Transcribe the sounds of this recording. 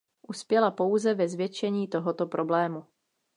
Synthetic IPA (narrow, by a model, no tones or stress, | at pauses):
ʔuspjɛlapo̞wzɛvɛzvjɛt͡ʃɛɲiːt̪o̞ɦo̞t̪o̞pɾʔo̞blɛːmu